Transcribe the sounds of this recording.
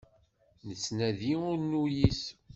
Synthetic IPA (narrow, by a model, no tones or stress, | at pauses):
nəsnæðiʊɾnujis